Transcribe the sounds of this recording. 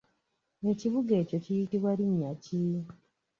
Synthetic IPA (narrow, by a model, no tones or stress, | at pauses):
eciβuɡe̞ːco̞cijitiβwaliɲːaci